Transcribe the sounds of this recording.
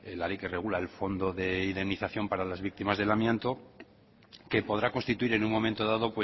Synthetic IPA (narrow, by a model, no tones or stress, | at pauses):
elalejke̞re̞ɣ̞ulaelfo̞nd̪o̞ðe̞iðe̞mniθaθjo̞mpaɾalazβik̚t̪imazð̞e̞lamjent̪o̞ | ke̞po̞ðɾako̞nst̪it̪uiɾe̞nuŋmo̞mẽnt̪o̞ðaðo̞pwe